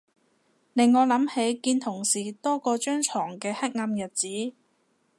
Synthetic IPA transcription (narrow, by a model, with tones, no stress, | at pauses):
ne˨˧ŋŋɔː˨˧lɐ˨˥mhe˨˥jkiː˧nt̪ʰʊ˨˩ŋsiː˨˩t̪ɔː˥kɔː˧t͡ʃœː˥ŋt͡ʃʰɔː˨˩ŋkɛː˧hɐ˥k̚ŋɐ˧mjɐ˨˩t̚t͡siː˨˥